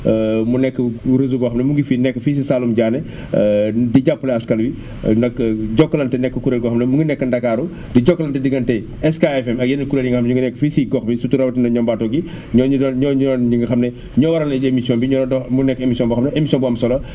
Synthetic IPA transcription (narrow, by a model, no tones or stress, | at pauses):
munɛkːəɾəzubɔxɐmnɐmuŋɡifiːnɛkːəfiːs̬isaːlumɟaːnɛ | diɟapːəlɛɐskɐlwi | ndɐkɟɔkːɐlɐntɛnɛkːəkuɾelɡɔxɐmnɐmuŋɡinɛkːəndɐkːaɾu | diɟɔkːɐlɐntɛdiɡɐntɛ | ɛskaɛfɛmɐk̚jɛnɐkuɾenɲiŋɡɐxɐmnɲiŋɡənɛkːəfisiɡɔxbisutuɾɐbtɛnɐɲɔmbaːtɔːɡi | ɲɔɲudɔnɲɔɲuɔnɲiŋɡɐxɐmne | ɲɔwɐɾɐnemisiɔːnbiɲɔɾɔndɔmunɛkːemisiɔnbɐxɐmnɐemisiɔnbɔamsɔlɐ